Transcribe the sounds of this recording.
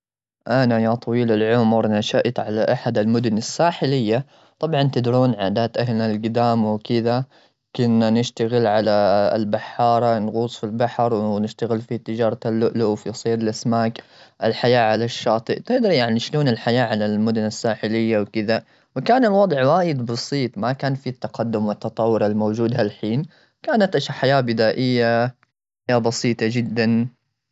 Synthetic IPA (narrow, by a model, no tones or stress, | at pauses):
ʔanajat̪ˤɑwiːlalʕʊmɾˤnaʃaʔt̪ʕalaʔaħad̪ɪlmʊd̪ʊnasːaːħɪlɪjːa | t̪ˤɑbʕɑnt̪ɪd̪ɾuːnʕaːd̪aːt̪ʔahlnalɡɪd̪aːmwkɪða | kʊnːanɪʃt̪aɣɪlʕala̰lbaħːɑːɾˤɑnɣuːsˤfilbaħɾˤwnɪʃt̪aɣɪlfit̪ɪd͡ʒɑːɾˤɑalːʊʔluwfisˤiːɾɪlʔasmaːkʔɪlħajaːʕalaʃːɑːt̪ˤɨʔt̪ɪʔd̪ɑɾjaʕniʃloːnɪlħajaːʕalalmʊd̪ʊnasːaːħɪlɪjːawkɪða | wɪkaːnɪlwɑd̪ˤʕwaːjɪd̪bɑsˤiːt̪ˤmakaːnfit̪ːɑqɑd̪ːʊmwɪt̪ːɑt̪ˤɑwːɪɾalmowd͡ʒuːd̪halħiːn | kaːnat̪ʔaʃaħajaːbɪd̪aːʔɪjːa | jabɑsiːt̪ˤɑd͡ʒɪd̪ːan